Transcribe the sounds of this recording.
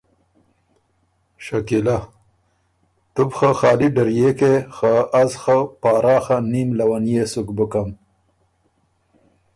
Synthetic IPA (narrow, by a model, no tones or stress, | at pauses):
ʃakila | t̪ʊbxaxɑːliɖaɾjekexaazxapɑːɾɑːxanimlawanjesukbʊkam